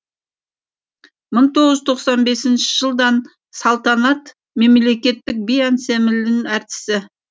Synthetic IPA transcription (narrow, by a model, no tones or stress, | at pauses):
məɴt̪ʰo̞ʁəzt̪ʰo̞qsɑnbe̞sɪnʃɪ̥ʒ̥əlˠd̪ɑn | sɑlˠt̪ɑnɑt̪ | me̞mle̞kʲe̞t̪ːɪk̚bijɑnse̞mɪlɪnæɾt̪ɪ̥sɪ